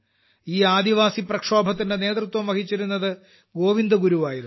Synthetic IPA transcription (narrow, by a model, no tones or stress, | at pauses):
iːaːd̪iʋaːsiprɐkʂo̞ːbʱɐt̪ːindene̞ːt̪rɨt̪wɐmʋɐkit͡ɕːiɾunːɐðɨ | ɡo̞ːʋind̪ɐɡuɾuʋaːjið